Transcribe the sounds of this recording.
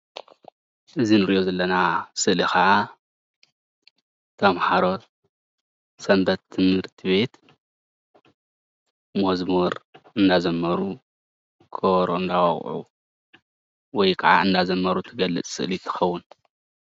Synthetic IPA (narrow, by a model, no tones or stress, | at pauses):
ʔɨzinɨɾiʔjo̞zɐlːɐnasɨʔlixɐʕa | t̪ʰɐmħaɾo̞ | sɐmbɐt̪ʰːɨmhɨɾt̪ʰiβe̞t̪ | mɐzmuɾʔɨnd̪azɐmːɐɾu | kʰoβɾoɨnd̪awɐ̰χʼʕṵ | wɔjkʰɐʕa̰ɨnd̪azɐmːɐɾut̪ʰɨɡɐlːɨ̰t͡sʼsɨ̰ʔlit̪ʰːɨ̥xɐwːʊn